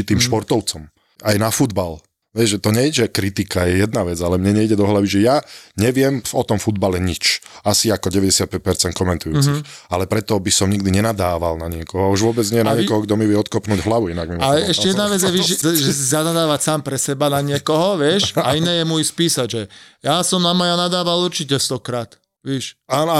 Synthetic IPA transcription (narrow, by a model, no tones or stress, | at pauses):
it̪iːmʃpɔɾt̪ɔʊt͡sɔm | ajnafud̪bal | ʋɛzʒɛt̪ɔɲɛiɟʒɛkɾit̪ikajɛjɛd̪naʋɛd͡zalɛmɲɛɲɛiɟɛd̪ɔɦlaʋiʒɛjaɲɛʋɪɛmvɔt̪ɔmfud̪balɛɲit͡ʃasiakɔɟɛʋɛɟɛsɪat̪̚pɛc̚pɛɾt͡sɛnt̪kɔmɛnt̪ujuːt͡sixalɛpɾɛt̪ɔbisɔmɲiɡ̚d̪iɲɛnad̪aːʋa̰lnaɲɪɛkɔɦɔauʒʋʊɔbɛd͡zɲɛjɛnaɲɪɛkɔɦɔɡd̪ɔmiʋɪjɛɔt̪kɔpnuːɟɦlaʋuinaɡmimɔalɛɛʃcɛjɛd̪naʋɛd͡zjɛʋiʒɛɛʒɛs̬izanad̪aːʋacsaːmpɾɛsɛbanaɲɪɛkɔɦɔʋɪɛʃainɛːjɛmɔjspiːsaɟʒɛjasɔmnamajanad̪aːʋalˠuɾt͡ʃicɛst̪ɔkɾaːt̪ | ʋɛʃaːn